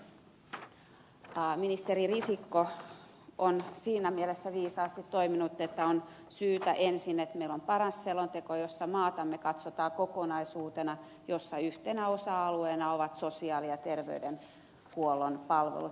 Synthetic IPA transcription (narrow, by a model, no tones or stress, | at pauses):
minist̪eririsikːo | onsiːnæmielesːæʋiːsɑːst̪it̪toiminut̪ːet̪ːæon | syːt̪æʔensinet̪meilompɑrɑsːelont̪ekojosːɑmɑːt̪ɑmːekɑt̪sot̪ɑːkokonɑisuːt̪enɑ | josːɑyht̪enæosɑɑlueːnɑoʋɑt̪sosiɑːliɑt̪erʋḛyden | kuolːonpɑlʋḛlu